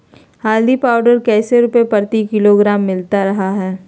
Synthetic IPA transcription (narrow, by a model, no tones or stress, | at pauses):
haːld̪ipaːʊɖəɾkɛːseɾʊpepɐɾt̪ikɪloɡɾaːmːɪlt̪aɾɐɦaɦɛː